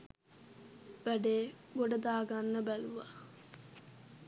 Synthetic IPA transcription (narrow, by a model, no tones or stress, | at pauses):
ʋæɖeːboɖəd̪aːɡanːəbæluʋa